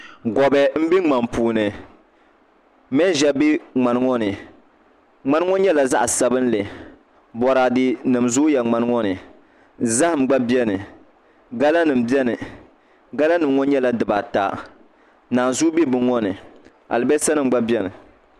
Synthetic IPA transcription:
ɡɔ˨bɛ˨m̩˦bi˦ŋ͡ma˨mpuː˨nɨ˨ | mɛ˦n˦ʒɛ˦bi˦ŋ͡ma˨n˦ŋɔ˦nɨ˨ | ŋ͡ma˦n˦ŋɔ˦ɲɛ˦la˨za˦ʔsa˨bɨ˦n̩˦lɨ˨ | bɔ˨ɾa˨dɪ˦nɨ˨mzʊ˦jɛ˨ŋ͡ma˨n˦ŋɔ˦nɨ˨ | za˦hm̩˨˦ɡ͡ba˦bi˦ɛ˦nɨ˨ | ɡa˦la˦nɨ˨m̩˨bjɛ˦nɨ˨ | ɡa˦la˦nɨ˨m˦ŋɔ˦ɲɛ˦la˨dɨ˨ba˨ta˨ | naː˨nzu˦bi˦bɨ˨ŋɔ˦nɨ˨ | ʔa̰˨lɨ˨bɛ˦sa˦nɨ˦m̩˦ɡ͡ba˦bɛ˦nɨ˨

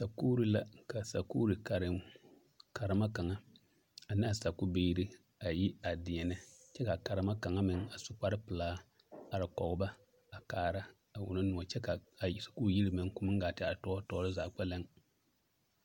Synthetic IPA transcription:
sa˨kuː˦ɾi˦la˨ka˨sa˨kuː˦ɾi˨ka˨ɾɪ˨m | ka˨ɾɪ˨˦ma˦ka˨ŋa˦ | a˨n˦a˦˨sa˨kːu˦beː˦ɾi˦ | a˨ji˦a˨dɪ˨ɛ˨nɪ˦t͡ʃɛ˦ka˨ka˨ɾɪ˨ma˦ka˨ŋa˦mɪ˨ŋa˨sʊ˦k͡pa˦ɾɪ˦pɨ˨laː˦ | a˨ɾɪ˨kɔ˨ɣʊ˦ba˦ | a˨kaː˨ɾa˦ | a˨wʊ̰˨no˦nu˨o˨t͡ʃɛ˦ka˨sa˨ku˦ji˦ɾɨ˨mɨ˨ŋkʊ˦mɨ˦ŋɡaː˨tɪ˦a˨tɔ˦tɔː˨˦ɾɪ˦zaː˨k͡pa˦la˦ŋ

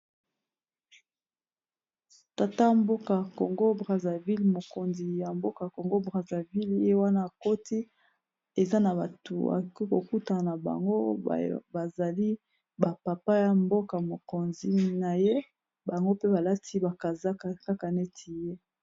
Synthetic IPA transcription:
ta˨ta˦mbo˦ka˨ko̰˨ŋɡo˦bʁa˨za˨vi˦lmo˨ko˨nzi˨ja˨mbo˦ka˨ko˨ŋɡo˦bʁa˨za˨vi˦le˦e˦wa˦naː˦˨ko˦ti˦ | e˨za˦na˨ba˨tṵ˨a̰˨˦ki˦ko˨ku˦ta˨na˨ba̰˨ŋɡo˦ba˨za˨li˦ | ba˨pa˨pa˦ja˨mbo˦ka˨mo˨ko˨nzi˨na˨je˦ | ba˨ŋɡo˦pe˦ba˨la˦tʰi˦ba˨ka˨za˦ka˨ka˦ka˨ne˦tʰi˨je˦

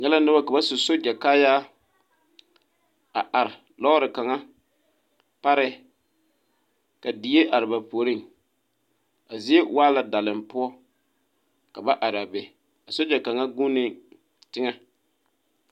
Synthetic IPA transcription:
ɲɛ˦la˦nɨ˦ba˦ka˨ba˦sʊ˨so˦d͡ʒa˨kaː˦jaː˦ | a˨ʔa˨ɾɪ˨ | lɔ˦ɾɪ˨ka˨ŋa˦ | pa˦ɾɪ˦ | ka˨di˨˦e˦ʔa˨ɾɪ˨ba˨po˨ɾɪ˦ŋ | a˨zi˦e˦waː˦la˨da˨lɪ˨mpʊ˦ɔ˦ | ka˨ba˦ʔa˨ɾɪ˨a˨bɛ˨ | a˨so˦d͡ʒa˨ka˨ŋa˦ɡu˦nɪ˦ | tɪ˦ŋa˦

